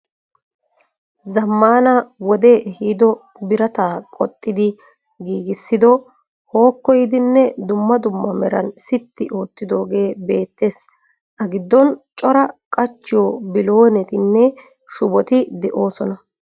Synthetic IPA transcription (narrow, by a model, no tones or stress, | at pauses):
zɐmːaːnɐwɔd̪ehiːd̪ɔ | bɪɾɐt̪aːkʼɔ̰t̪ʼːɪd̪ɪ | ɡiːɡɪsːɪd̪ɔ | ho̞ːkːɔjd̪ɪnːɛd̪ʊmːɐd̪ʊmːɐmɛɾɐnsɪt̪ːɪʔo̞ːt̪ːɪd̪o̞ːɡe̞ːbe̞ːt̪ːe̞ːs | ʔɐɡɪd̪ːɔnt͡ʃʼɔɾɐkʼɐt͡ʃːɪjɔbɪlo̞ːnɛt̪ɪnːɛ | ʃʊbɔt̪ɪd̪ɛʔo̞ːsɔnɐ